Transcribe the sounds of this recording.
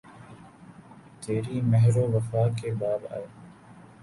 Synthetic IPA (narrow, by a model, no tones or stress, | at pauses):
t̪eːɾiːmɛɦɾoːʋɐfaːkebaːba̰ːeː